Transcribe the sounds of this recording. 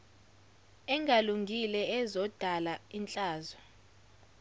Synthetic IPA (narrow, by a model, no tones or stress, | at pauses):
ɛŋʱaluŋɡʱilɛɛzɔd̥ʱalaint͡ɬʼaːzɔ